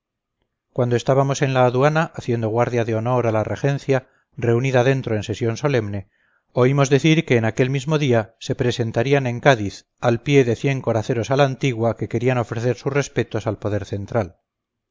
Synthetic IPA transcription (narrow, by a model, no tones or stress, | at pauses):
kwand̪oe̞st̪aβamo̞se̞nlaːðuanaʔːθje̞nd̪o̞ɣ̞waɾðjaðeo̞no̞ɾalare̞xe̞n̟θja | re̞uniðaðe̞nt̪ɾoe̞nse̞sjo̞nso̞le̞mne̞ | o̞imo̞zðe̞θiɾke̞ːnake̞lmizmo̞ðiase̞pɾe̞se̞nt̪aɾianẽ̞ŋkaðiθ | alpje̞ðe̞θje̞ŋko̞ɾaθe̞ɾo̞salaːnt̪iɣwake̞ke̞ɾiano̞fɾe̞θe̞ɾsuzre̞spe̞t̪o̞salpo̞ðe̞ɾθe̞nt̪ɾal